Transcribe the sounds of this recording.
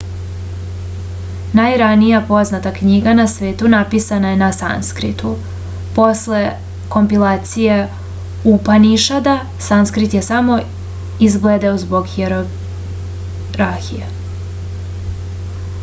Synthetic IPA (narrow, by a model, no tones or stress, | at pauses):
najɾanijapo̞znat̪akɲiɡanasʋe̞ːt̪unapisanaje̞nasa̰nskɾḭt̪u | po̞sle̞ | ko̞mpilaːt̪sije̞ | upaniʃad̪a | sanskɾit̪jesamo̞ | izɡled̪aozbo̞ɡxeɾo | ɾaɾxije